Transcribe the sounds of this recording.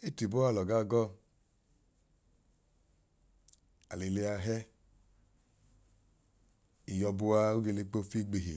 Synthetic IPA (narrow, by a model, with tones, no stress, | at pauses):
e˦ti˨bo˦a˦˨lɔ˨ɡa˧˦ɡɔ˦˨ | a̰˨le˨le˧a˧ɦɛ˦ | i˨jɔ˧bu˧a˧o˦ɡe˧le˧k͡po˧˦fi˦ɡ͡be˨ɦi˨